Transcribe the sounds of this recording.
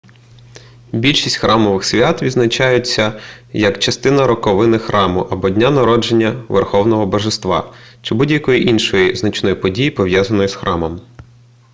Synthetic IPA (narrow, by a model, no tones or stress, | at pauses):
bʲilʲʃi̥sʲtʲxɾʔɑmɔʋɪxsʲʋʲat̪ʋʲid̪znɐt͡ʃɑjʊt͡sʲːɐ | jɐkt͡ʃɐst̪ɪnɐɾɔkɔʋɪnɪxɾɑmʊʔɐbɔdʲnʲanɐɾɔd͡ʒe̞nʲːɐʋerxɔwnɔɦɔbɐʒest̪ʋɑ̰ | t͡ʃɪbudʲjɐkɔjiʔinʃɔjiznɐt͡ʃnɔjipɔdʲijipɔʋjazɐnɔjʊsxɾʔɑmɔm